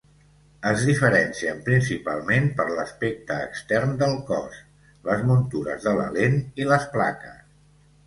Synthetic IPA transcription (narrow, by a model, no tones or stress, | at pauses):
əzðifəɾɛnsiəmpɾinsipa̰lˠmempəɾləspek̚t̪ə̰ːkst̪ɛrnd̪əlˠkɔ̰s | ləzmunt̪uɾə̰zðələ̰leniləspla̰kəs